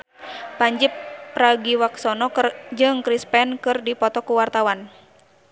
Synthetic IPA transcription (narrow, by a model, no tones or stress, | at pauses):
paɲd͡ʒipːɾaɡiwaksɔnɔkd͡ʒɨŋkɾispɛnkɨrdipɔt̪ɔkuwart̪awan